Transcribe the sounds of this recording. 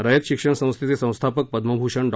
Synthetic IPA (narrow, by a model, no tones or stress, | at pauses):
ɾəjət̪ɕikʂəɳsə̃w̃st̪ʰit͡sesə̃w̃st̪ʰapək̚pəd̪məbʱuʂəɳɖ